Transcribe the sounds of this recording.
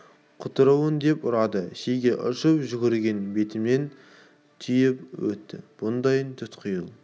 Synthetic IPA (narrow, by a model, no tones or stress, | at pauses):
qʰʊt̪əɾəwənd̪e̞pʊɾɑd̪əʃejɡʲeʔʊ̰ʃəpʒʏɡʲɪɾɡʲe̞nbe̞t̪ɪmnen | t̪ʰʏjɪpwɵ̰t̪ːɪ̰b̥ʊnd̪ɑjnt̪ʰʏt̪qʰʊjəlˠ